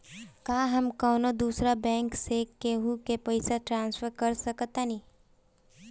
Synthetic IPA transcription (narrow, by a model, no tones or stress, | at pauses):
kaːɦəmkɔːnod̪uːsɾabɛ̃ːŋksekeɦukepɐɪsaʈɾãːnsfʰəɾkəɾsəkət̪aniː